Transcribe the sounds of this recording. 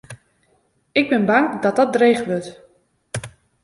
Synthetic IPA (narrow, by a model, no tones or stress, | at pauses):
ɪɡ̚bɪnbɑŋdɔt̚dɔdrejχʋɵt